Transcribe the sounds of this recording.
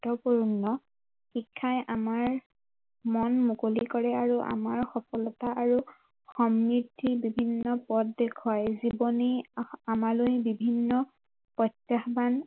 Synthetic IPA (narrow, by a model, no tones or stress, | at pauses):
tɔpuɹnːɔ | xikʰːajʔamaɹ | mɔnmukolikɔɹɛaɹuʔa̰maɹxɔkɔlɔtaʔaɹu | xɔmɹitʰːibibʱinːɔpɔdːekʰɔjzibɔniamalojbibʱinːɔ | pɔtːaxban